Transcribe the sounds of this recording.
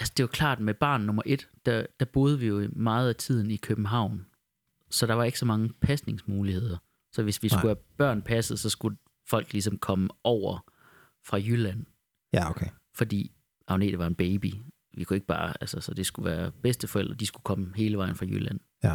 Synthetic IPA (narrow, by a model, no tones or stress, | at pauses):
ælsd̥e̝ʋɑ̈kʰlɑ̰̈ːd̥meb̥ɑ̰̈ːnːɔ̽mɐʔe̝d̥d̥æd̥æb̥o̝ːð̞ˠʋijo̝imɑ̈ːð̞̩ˠæt͡sʰið̰ˠn̩ikʰøb̥m̩ɦɑ̈ʊ̰n | sɒ̽d̥ɑ̈ʋɑ̈e̝ɡ̥sɒ̽mɑ̈ŋəpʰæsne̝ŋsmuːlihe̝ð̰ˠɐ | sɒ̽ʋe̝sʋisɡuhæb̥ɶɐ̰npʰæsð̩ˠsɒ̽sɡ̥u | fɒ̽l̰ɡ̥lis̬ɒ̽mkʰɒ̽məʔɒʊ̰ɐ | fʁɑ̈jylæn̰ | kʰe | fɒ̽d̥ḭː | ʔɑ̈ʊne̝ːd̥əʋɑ̈e̝nb̥eɪb̥i | ʋikʰue̝ɡ̥əb̥ɑ̈ːælsəsɒ̽d̥e̝sɡ̥uʋæːɐb̥esd̥əfɒel̰d̥ʁɐd̥isɡ̥ukʰɒ̽məhe̝ːləʋɑ̈ɪ̰n̩fʁɑ̈jy̰læn̰